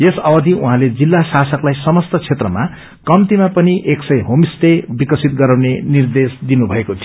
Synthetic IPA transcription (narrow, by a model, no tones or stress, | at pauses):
jesʌbʌd̪ʱiuɦãled͡zilːasasʌklajsʌmʌst̪ʌt͡sʰet̪rʌma | kʌmt̪imapʌniʔeksʌjɦomist̪ebikʌsit̪̚ɡʌɾaw̃nenird̪esd̪inubʱʌekot̪ʰij